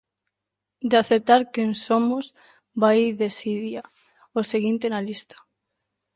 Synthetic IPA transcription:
d̪eaθep̚t̪aɾkensomoz | bajðesiðja | oseɣint̪enalist̪ḁ

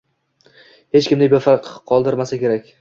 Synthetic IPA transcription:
het͡ʃkʲɪmd̪ɪbefaɾqqʰːɒlˠd̪ɪɾmasakʲe̞ɾakʲ

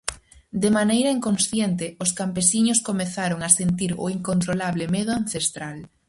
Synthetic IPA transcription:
d̪emanejɾaiŋkonsθjent̪ɪʊskampesiɲʊskomeθaɾoŋasent̪iɾo̰iŋkont̪ɾolaβlɪmeðʊan̟θest̪ɾal

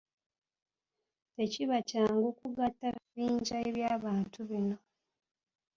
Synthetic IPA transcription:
te̞ciβacaːŋɡokuɡatːaβiviːɲɟaeβjaːβaːntʰuβino̞

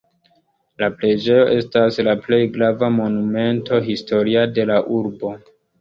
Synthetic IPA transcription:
lapɾe̞d͡ʒe̞jo̞ʔe̞staslaple̞jɡɾavamo̞nume̞nto̞ɦisto̞ɾiade̞laʔuɾbo̞

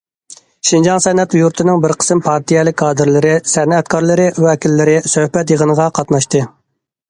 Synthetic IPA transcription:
ʃind͡ʒɑŋsɛnɛt̪juɾt̪ʰɨnɪŋbɪɾqʰə̥sɨmpʰɑɾt̪ʰijɛlˠɪk̚ʲʰːɑːd̪ɨɾlɪɾɪsɛnɛt̪kʰɑɾlˠɨɾɪwɛkʲʰilːɪɾɪsøhpɛt̪jəʁənəʁɑqʰɑt̪nɑʃt̪ɨ

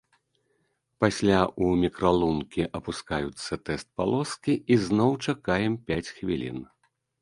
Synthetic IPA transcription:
pasʲlʲaʔumʲikɾalˠunkʲiʔɐpuskajut̪sːɐt̪ɛst̪̚palˠɔskʲiʔiznɔwt͡ʂakajɛmpʲat͡sʲxvʲilʲḭn

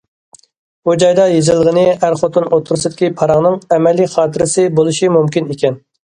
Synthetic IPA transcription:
bud͡ʒɑjd̪ɑjezɪlˠʁənɪæɾχot̪unot̪ʰʊɾusɨd̪ɪ̥kʲipʰɑɾɑʁnɨŋɛmɛlːiχɑːt̪ʰɪɾɪsɨbolˠuʃimumkʲinekʲɛn

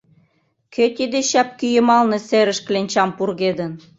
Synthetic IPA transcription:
kʰøt̪ʲid̪eɕæp̚kyjə̆mɑlnɤ̆seɾɘ̆ʃklenʲt͡ɕɑmpurɣed̪ə̆n

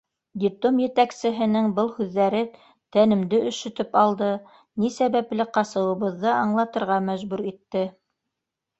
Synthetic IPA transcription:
d̪ʲɪplˠomjɘ̆t̪æksɘ̆ɦɘ̆nɘŋbɤlˠhʉðːæɾɘ | t̪ænɘ̆md̪ɘʔɵ̆ʃɵ̆t̪ɵpɑlˠd̪ɤ | nisæβæplɘqɑsɤ̆wɤ̆βɤ̆ðːɤʔɑɴlˠɑt̪ɤ̆ɾʁɑmæʒbʉɾit̪ːɘ

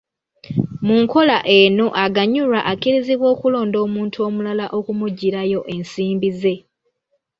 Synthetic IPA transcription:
muŋko̞laʔe̞no̞ʔaɡaɲuɾaʔakiɾiziβwo̞ːkulo̞ːndo̞ːmuːntʰuo̞ːmulalaʔo̞kumuɟːiɾajo̞ʔe̞nsiːmbize̞

